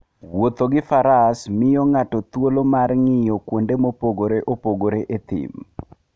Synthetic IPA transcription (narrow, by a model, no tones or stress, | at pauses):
wot̪oɡɪfaɾasmɪjɔŋatɔt̪wolomarŋɪjɔkwondemopoɡoɾeʔopoɡoɾeʔet̪ɪ̰m